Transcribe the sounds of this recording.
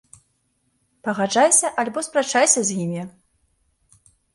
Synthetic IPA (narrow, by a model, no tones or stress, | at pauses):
pɐɣaʐajsʲɐʔalʲbɔspɾat͡ʂajsʲɐzʲjimʲi